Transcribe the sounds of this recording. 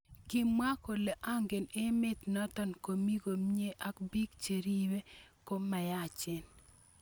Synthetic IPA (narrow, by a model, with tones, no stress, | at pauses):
kɪ˦mwa˦ko˨le˨ʔa˦ŋɡe˨ne˦me˦t̪na˦t̪ɔ˦nko˨mi˦ɡo˨mɲe˦ʔa˦kbi˦kt͡ʃe˨ɾi˦we˦ko˦mːa˨ja˦˨t͡ʃɪ˨n